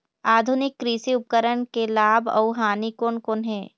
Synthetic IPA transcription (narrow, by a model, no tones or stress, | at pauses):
aːd̪ʱʊnɪkːɾiːsiʊp̚kəɾəɳkelaːbɐ̰ʊɦaːnikoːnkoːnɦẽː